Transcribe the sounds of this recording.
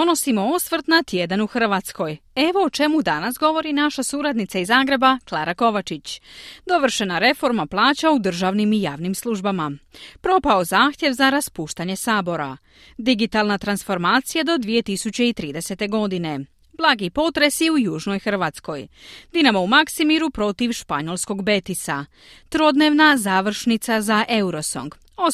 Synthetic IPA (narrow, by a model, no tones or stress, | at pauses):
ono̞simo̞osʋr̩t̪nat̪jed̪anuxr̩ʋat̪sko̞je̞ʋo̞ːt͡ʃe̞mud̪anasɡo̞ʋo̞ɾinaʃasuɾad̪nit̪saizaːɡɾe̞baklˠaːɾako̞ʋat͡ʃit͡ɕd̪o̞ʋr̩ʃe̞naɾe̞fo̞ɾmaplˠaːt͡ɕaud̪r̩ʒaʋnimijaːʋnimslˠuʒbamapɾo̞pao̞zaːxt̪je̞ʋzaɾaspuːʃt̪aɲe̞saːbo̞ɾa̰ | d̪iɡit̪alnat̪ɾansfo̞ɾmaːt̪sijad̪o̞d̪ʋije̞t̪isut͡ɕe̞it̪ɾiːd̪e̞se̞t̪e̞ɡo̞d̪ine̞ | b̥lˠaːɡipo̞t̪ɾe̞sjiujuːʒno̞jxr̩ʋat̪sko̞jd̪inamaumaksimiɾupɾo̞t̪iʋʃpaɲo̞lˠsko̞ɡbe̞t̪isa | t̪ɾo̞d̪ne̞ʋnazaːʋr̩ʃnit̪sazaʔe̞uɾo̞so̰ŋɡ | o